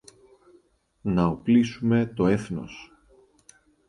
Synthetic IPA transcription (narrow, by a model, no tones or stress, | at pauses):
nɐoplisume̞t̪o̞e̞θno̞̰s